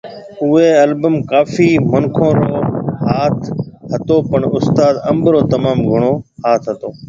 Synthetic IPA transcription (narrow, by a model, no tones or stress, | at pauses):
ʊeːəlbəmkaːfiːməŋkʰõːɾoːɦaːt̪ʰɦət̪oːpəɳʊst̪aːd̪əmbɾoːt̪əmaːmɡʱʊɳ̃oːhaːt̪ʰɦət̪oː